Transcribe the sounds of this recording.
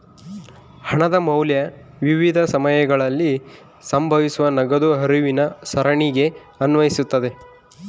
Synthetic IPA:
hɐɳɐd̪ɐmɐwljɐʋiʋid̪ʱɐsɐmɐjɐɡɐɭɐlːi | sɐmbʱɐʋisuʋɐnɐɡɐd̪uɦɐɾuʋinɐsɐɾɐɳiɡe̞ | ɐnʋɐjisut̪ːɐd̪e̞

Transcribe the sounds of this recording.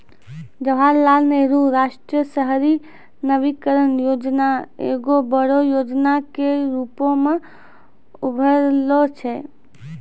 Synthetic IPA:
d͡ʒəʋ̤alːalneɾuɾaʃʈɾiəsəɦɾi | nəʋikəɾənjoːd͡ʒnaḛɡobəɽojod͡ʒnakeɾupõmã | ubʱəɾlot͡ʃʰe

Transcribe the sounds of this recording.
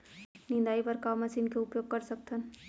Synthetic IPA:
nɪ̃nd̪aːipɐɾkaːmɐsinkeʊpjoːɡ̚kɐɾsɐk̚t̪ʰən

